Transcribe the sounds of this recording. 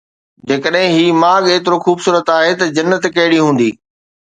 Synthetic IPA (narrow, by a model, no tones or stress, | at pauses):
d͡ʑeːkəɗɦɪ̃ɦiːmaːɠeːt̪ɪɾoxuːbsuːɾət̪aːɦet̪ɐd͡ʑɐnːət̪kɐɦɪɽiɦũːn̆d̪iː